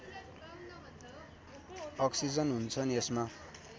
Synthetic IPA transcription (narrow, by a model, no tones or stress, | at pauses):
ʌksid͡zʌnɦunt͡sʰʌnesma